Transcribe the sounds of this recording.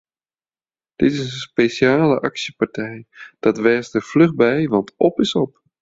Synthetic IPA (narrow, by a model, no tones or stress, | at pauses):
d̥ɪtɪsənspeʃjaːlə̰ʔɑksəpartɛjd̥ɑtʋɛrstəflɵχbɛjʋɑntɔpɪsɔp